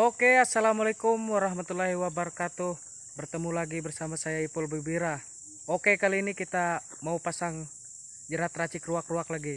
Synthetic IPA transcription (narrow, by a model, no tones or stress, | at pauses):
okeasːalamalekumwaɾaɦmat̪ulːaɦiwabəɾakat̪u | bərt̪əmulaɡibərsamasajaipɔlbəbiɾa | okekaliːnikit̪a | maupasaŋ | d͡ʒəɾat̪rat͡ʃikruakruaklaɡi